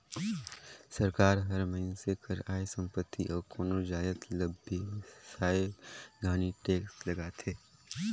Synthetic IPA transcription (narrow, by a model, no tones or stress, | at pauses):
səɾkaːɾɦɐɾmɐɦɪnsekʰɐɾaːesə̃mpət̪ːiʔɔːɾkoːnoɾd͡ʒaːjət̪ləbʱesaːebɡaːniʈeːkslɐɡaːt̪ʰeː